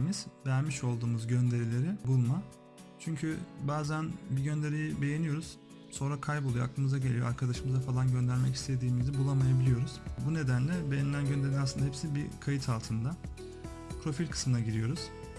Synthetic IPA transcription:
miz̥bæɾmiʃo̞lˠd̪uːmuzɟø̞nd̪e̞ɾilʲe̞ɾibulˠma | t͡ʃʰyɲcʰybaːzænbiɟø̞nd̪e̞ɾijibe̞je̞nijo̞ɾuz̥ | so̞nɾakʰajbolˠujoa̰k̚lˠɯmɯzaɟe̞lʲijo̰aɾkʰad̪aʃɯmɯzafalˠanɟø̞nd̪æɾmɛci̥st̪ʰe̞d̪iːmizibulˠamajabilʲijo̞ɾuz̥bune̞d̪ænlʲɛbe̞jenilʲænɟønd̪eɾinasɯnd̪ahepsbikʰajɯt̪ʰalˠt̪ʰɯnd̪a | pʰɾo̞filʲkʰɯ̥smɯnaɟiɾijo̞ɾuz̥

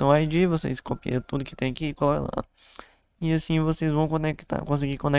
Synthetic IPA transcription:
ɐ̃w̃ajd͡ʒivosḛskopḭẽt̪ud̪ʊkɪt̪ẽj̃ɐkikolɔkɐ̰̃la̰ | ɪasĩvosezvɐ̃w̃kõnekt̪a̰kõs̬ɪɡikõne

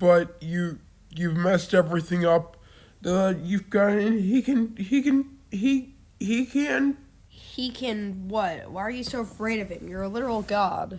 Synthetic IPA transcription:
b̥ʌt̚ɨ | jʉvmɛstɛvɹiθɪ̃ŋʌp̚ | ðəjʉvɡɑɾɨ̃nikɨ̃nikɨ̃ni | hikʰɨ̃n | hikʰɨ̃nwʌt̚waɪə˞jɨsoʊəfɹeɪɾʌv̥ɨ̃mjə˞əlɪɾə˞l̩ˠɡɑ̰d̥

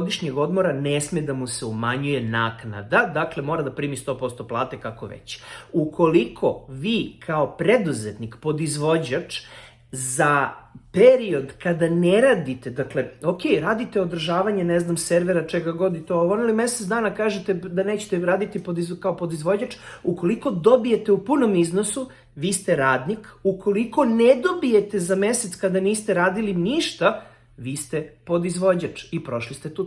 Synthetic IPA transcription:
od̪iʃɲeɡo̞d̪mo̞ɾanesmed̪amuseumaɲujenaːkna̰d̪ad̪aklemo̞ːɾad̪apɾiːmist̪o̞ːpo̞st̪oplˠaːt̪ekako̰ʋḛt͡ɕukʰo̞likʰo̞ʋiːkʰaopɾed̪uzet̪nikpo̞d̪izʋo̞d͡ʑat͡ʂ | zapeɾio̞d̪kad̪aneɾaːd̪it̪ed̪akleokʲejɾaːd̪it̪eod̪r̩ʒaːʋaɲeneznamseɾʋeɾat͡ʃeɡaɡo̞d̪it̪ooʋonilimeset̪d̪aːnakaːʒet̪ed̪anet͡ɕe̥t̪eɾaːd̪it̪ipod̪izkaopod̪izʋo̞d͡ʑat͡ʃuko̞liko̞d̪obije̞t̪eupuno̞miznosu | ʋiːst̪e̞ɾaːd̪nikukʰo̞liko̞ned̪o̞bije̞t̪ezameset̪skad̪aniːst̪eɾaːd̪iliniʃt̪a | ʋiːst̪epo̞d̪izʋo̞d͡ʑat͡ʂipɾo̞ʃlist̪e̞t̪u

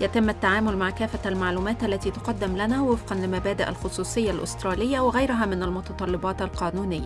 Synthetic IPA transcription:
jæt̪ɪmːat̪ːaʕaːmʊlmaʕkæːfæælmaʕluːmæːt̪ʔælːæt̪iːt̪ʊqɑd̪ːɪmlænæːwɪfqɑnlɪmæbæːd̪ɪʔa̰lxʊsˤuːsˤɪjːalʔʊ̰st̪ɾˤɑːlɪjːawɪɣæjɾʊɦæːmɪnalmʊt̪ɑt̪ˤɑlːɪbɑːt̪alqɑːnuːnɪjːa

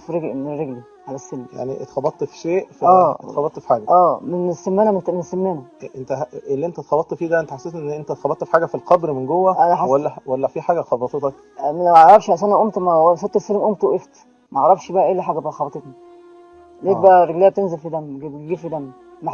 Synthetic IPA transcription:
fɾeɡmeerːeɡli | ʕalæsːelmja̰ʕnḭʔḛt̪xɑbɑt̪ˤːfi̥ʃeːʔfiæːt̪xɑbɑt̪ˤːfi̥ħaːɡæʔæːmenesːemːenæmt̪mensːemːenæʔent̪æelːiʔent̪æt̪xɑbɑt̪ˤːfiːd̪æʔent̪æħasːeːt̪ʔenːʔent̪æt̪xɑbɑt̪ˤːfi̥ħaːɡæfilqɑbɾmenɡowːæʔænæħwælːæwælːæfiħaːɡæxɑbɑt̪ˤet̪ˤɑk | mæmæʕɑʕɾˤɑfʃæs̬ænæʔomt̪mæsot̪ˤːeselmʔomt̪wʔeft̪ | mæʕɑʕɾˤːɑfʃbæʔæʔelːiħaːɡæbæxɑbɑt̪ˤet̪ni | nek̪̚b̪æɾːeɡlejæb̚t̪enzelfid̪æmɡɡiːfid̪æmː | æ

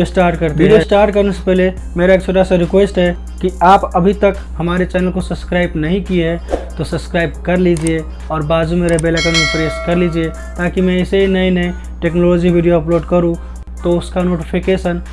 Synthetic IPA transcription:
osʈaːɾʈ̚kəɾt̪beiɖijosʈaːɾʈkəɾnese̥pɛɦle | meːɾaekt͡ʃʰoːʈasaɾɪkwesʈɦɛ | kiaːpəbʱit̪ək | həmaːɾet͡ʃɛːnəlkosəbskɾaːɪbnɐɦĩkieɦɛt̪osəbskɾaːɪb̚kəɾlid͡ʒie | ɔːɾbaːd͡ʒumẽɾɐɦbelakenẽpɾeskɐɾlid͡ʒie | t̪aːkimɛ̃ɪseɦinəinəĩ | ʈeːknolod͡ʒibʱiɖijoɐploːɖkəɾũ | t̪oʊskanoːʈipʰikesən

